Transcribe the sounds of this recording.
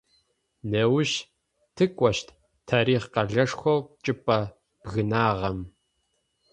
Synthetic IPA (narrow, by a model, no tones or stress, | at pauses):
nɐwʃ | tʰɨkʷʼɔʃtʰ | tʰɐɾiːχqɐɮɐʂxʷɐwt͡ʃʼɨpʼɐ | b̥ɣɨnaːʁɐm